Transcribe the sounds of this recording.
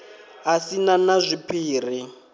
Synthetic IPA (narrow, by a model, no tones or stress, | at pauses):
asinanazʷipʰiːr̤i